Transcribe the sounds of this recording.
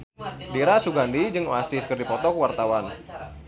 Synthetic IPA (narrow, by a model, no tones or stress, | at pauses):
diɾasuɡandid͡ʒɨŋoasiskərdipɔt̪ɔkwart̪awan